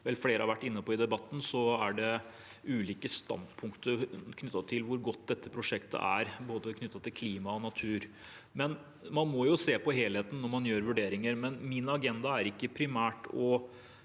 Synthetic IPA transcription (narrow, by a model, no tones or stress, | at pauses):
ʋɛlfleːɾəhɑɾʋæʈːɪnːəpʰoɔːɪd̪ɛbɑt̪ːn̩sɔæɖɛ | ʉːliːkəst̪ɑ̰nd̪pʰʊŋkt̪əkʰnʏt̪ːɑt̪ʰɪlʋʊɾɡɔt̪ːd̪ɛt̪ːəpʰɾʊʂɛkt̪ʰə̰ʔæɾboːd̪əkʰnʏt̪ːɑt̪ʰɪlkʰliːmɑɔnɑt̪ʰʉːɾ | mɛn | mɑnmɔjʊseːpɔɦeːlheːt̪n̩ːɔmɑnjøːɾʋʉɖeːɾɪŋəɾmɛnmɪnɑɡɛnd̪ɑæɾɪkːəpʰɾɪmæːʈɔ